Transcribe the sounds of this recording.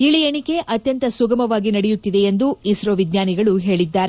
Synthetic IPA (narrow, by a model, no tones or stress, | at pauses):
iɭijeɳike̞ʔɐt̪jɐnt̪ɐsuɡɐmɐʋaːɡinɐɽɛjut̪ːid̪e̞ːnd̪uisɾoʋid̪ɲjaːniɡɐɭuɦe̞ːɭid̪ːaːɾe